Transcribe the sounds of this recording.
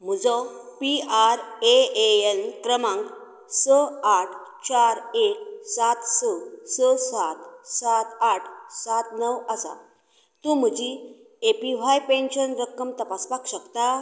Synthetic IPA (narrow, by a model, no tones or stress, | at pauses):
m̤əd͡zɔpiaɾeeenkɾəmãŋɡ | səaʈʰt͡ɕaɾek̚sat̪səsəsat̪sat̪aʈʰsat̪nəwəsa̰ | t̪ũm̤əd͡ʑi | epiʋ̤ajpẽnɕənɾəkːəmt̪əpaspakɕəkt̪a